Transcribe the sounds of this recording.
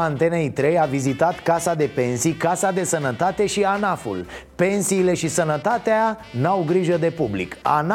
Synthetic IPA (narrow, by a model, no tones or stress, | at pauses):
ant̪e̞nejt̪ɾe̞javizit̪at̪kasad̪e̞pe̞nsijkasad̪e̞sənət̪at̪e̞ʃianafṵlpe̞nsiːle̞ʃisənət̪at̪ea | nawɡɾiʒəd̪e̞publḭka̰n